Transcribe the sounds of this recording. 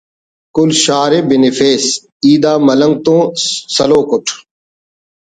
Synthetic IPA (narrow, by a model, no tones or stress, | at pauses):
kʊlʃaːɾeːbɪnifeːs | iːd̪aːmɐləŋɡ̚t̪õːsɐloːkʊʈʰ